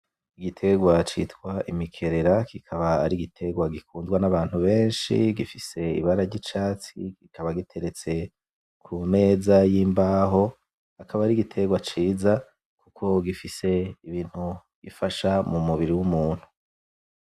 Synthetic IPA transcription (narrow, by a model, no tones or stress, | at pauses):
iɡitʰe̞ɡwat͡ʃḭːtkwaʔimikʰe̞ɾe̞ɾakikʰaβaaɾiɡitʰe̞ɡwaɡikuːndɡwanaβaːn̥huβe̞ːnʃḭɡifise̞ḭβaɾaɾɟit͡ʃaːt͡sḭkikaβaɡitʰe̞ɾe̞t͡se̞ | kʰume̞ːzajiːmbaːɦo̞ | akaβaːɾiɡitʰe̞ɡwat͡ʃiːza | kukʰo̞ɡifise̞iβiːn̥hu | ɡ̥ifaʃamumuβiɾiwumuːn̥hu̥